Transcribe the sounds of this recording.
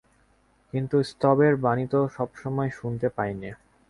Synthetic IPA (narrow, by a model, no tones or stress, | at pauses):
kint̪ust̪ɔbeɾbanit̪oʃɔbʃɔmɔeʃunt̪epajni